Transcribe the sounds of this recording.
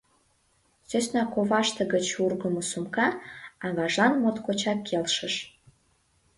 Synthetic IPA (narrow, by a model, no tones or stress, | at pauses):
søsʲnɑkoβɑʃt̪əɣət͡ɕurɣəmosumkɑɑɣɑʒɑnmot̪kot͡ɕɑkʰːelʃə̆ʃ